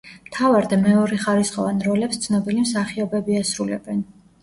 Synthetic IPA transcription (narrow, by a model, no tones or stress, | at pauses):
mt̪ʰavaɾd̪ɛmɛɔɾɛχaɾisχɔvanɾɔlɛpst̪sʰnɔbilimsaχiɔbɛbiasɾulɛ̰bɛn